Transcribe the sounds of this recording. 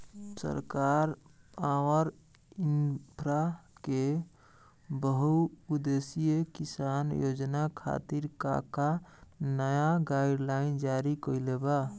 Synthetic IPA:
sə̰ɾkaɾpaʋəɾ | inpʰɾake | bəɦuud̪esijekisanjod͡ʒnakʰa̰t̪iɾka̰kanəjaɡaɪɖlaind͡ʒaɾikəjleba

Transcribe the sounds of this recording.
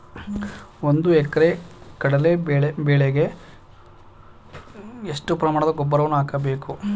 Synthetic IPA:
ond̪uɛkɐɾekɐɽɐle̞beːɭebeːɭeɡe | eʂʈupɾɐmaːɳɐd̪ɐɡɔbːɐɾɐʋɐnːuaːkɐbe̞ːku

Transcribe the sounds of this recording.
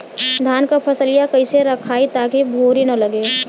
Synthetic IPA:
d̪ʱaːnkapʰɐsəlɪjakɐiseɾɐkʰaːit̪aːkibʱoːɾinɐlɐɡeː

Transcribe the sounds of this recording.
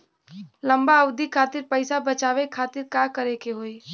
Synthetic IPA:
lɐ̃mbaəʊd̪ʱikʰaːt̪ɪɾpəɪsabət͡ʃaːʋekʰaːt̪ɪɾkakəɾekeɦoːi

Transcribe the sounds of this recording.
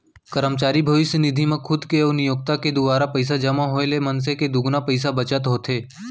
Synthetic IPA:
kəɾəmt͡ʃaːɾibʱəʋɪʃjənɪd̪ʱimẽkʰʊd̪keʊnɪjoːɡ̚t̪aked̪ʊbaːɾapəɪs̬ad͡ʒɐmaɦoelemɐns̬eked̪ʊɡnapəɪs̬abɐt͡ʃət̪ɦoːt̪ʰeː

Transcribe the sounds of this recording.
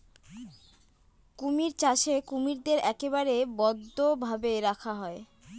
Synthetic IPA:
kumiɾt͡ɕaʃekumiɾd̪eɾɛkebaɾebɔd̪ːobʱabeɾakʰaɦɔe

